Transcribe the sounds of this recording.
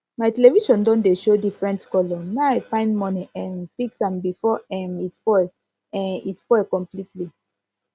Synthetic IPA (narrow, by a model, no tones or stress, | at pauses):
maɪtɛleviʃɔ̃ndɔ̃ndeʃodifɹɛ̃ntkɔlɔmeaɪfãɪ̃ndmɔniʔɛ̃nfiksãmbifɔɛ̃nitspɔɪl | ɛ̃nḭtspɔɪlkɔ̃mplitʰli